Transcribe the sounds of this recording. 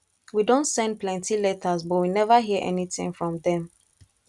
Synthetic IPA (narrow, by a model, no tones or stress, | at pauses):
widõntsɛ̃n̚pʰlɛ̃ntʰilɛtəzbɔtwinɛvəɦiəʔɛniθɪ̰̃ŋfɹɔ̃mðɛ̃m